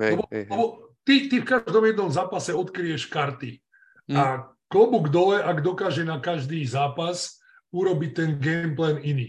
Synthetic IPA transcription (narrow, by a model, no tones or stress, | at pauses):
ɛbɔlɛbɔt̪it̪ifkaʒd̪ɔmjɛd̪nɔmzaːpasɛɔt̪kɾijɛʃkaɾt̪i | a | klɔbuɡd̪ɔlɛʔaɡd̪ɔkaːʒɛnakaʒd̪iːzaːpas | uɾɔbict̪ɛnɡɛmplɛniniː